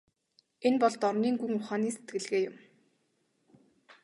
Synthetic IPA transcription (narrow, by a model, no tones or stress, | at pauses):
enpɔɮt̪ɔrniːŋɡuŋmʊχaːniːse̥t̪ɡɘ̆ɮɣeːjʊm